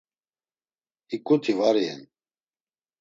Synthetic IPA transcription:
ikʼut̪ʰivaɾiɛ̰n

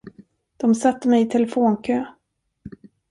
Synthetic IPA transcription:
d̪̥ɔmsat̪ːəmɛjɪt̪ʰɛləfoːnkʰøː

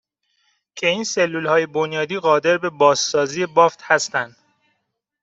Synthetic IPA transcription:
cʰe̞iːnse̞lːulhɒːje̞bonjɒːd̪iːɣɒːd̪e̞ɾbe̞bɒːsːɒːziːje̞bɒːft̪hæst̪ænd̪

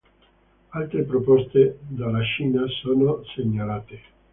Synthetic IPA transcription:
alt̪ɾepɾopɔst̪ed̪alat͡ʃiːnasoːnoseɲːalaːt̪e

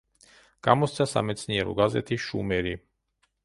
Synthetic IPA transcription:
kʼamɔst̪sʰasa̰mɛt̪sʰniɛɾṵɡazɛ̰t̪ʰiʃṵmɛɾi

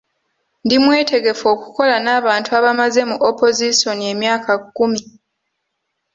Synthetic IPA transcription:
ndimwe̞ːte̞ɡe̞fo̞ːku̥ko̞lanaːβaːntuaβamaze̞muʔopo̞ziso̞nie̞mjaːkakːumi

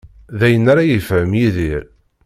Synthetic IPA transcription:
ðæjənːaɾajəfʕəmjiðiɾ

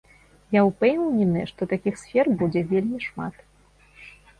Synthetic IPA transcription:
jawpɛwwnʲɛnɨʂt̪ɔt̪akʲixsʲfʲɛrbud͡zʲɛvʲelʲmʲiʂma̰t̪

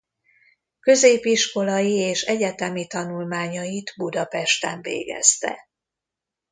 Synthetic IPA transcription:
kø̞zeːpiʃko̞lɒjieːʃɛɟɛt̪ɛmit̪ɒnulmaːɲɒjid̪bud̪ɒpɛʃt̪ɛɱvḛːɡɛ̰st̪ɛ̰

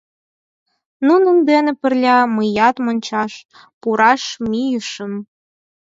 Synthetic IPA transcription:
nunəmd̪enĕpə̆rlʲɑməjɑt̪monʲt͡ɕɑʃ | puɾɑʃmijəʃə̆m

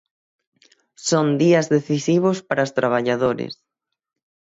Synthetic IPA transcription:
sond̪iɐzðeθisiβ̞ospaɾaost̪ɾaβ̞aʎaðoɾɪ̰s

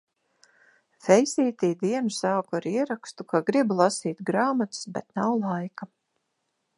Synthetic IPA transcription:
fɛjsiːt̪iːd̪iɛnusaːkuaɾiɛɾakst̪ukaɡɾiblˠasiːt̪ɡɾaːmat̪sbɛt̪nawlˠajka

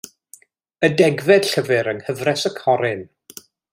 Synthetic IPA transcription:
ədɛɡvɛd̥ɬəvɨɾənhəvrɛsəkʰɔɾɪn

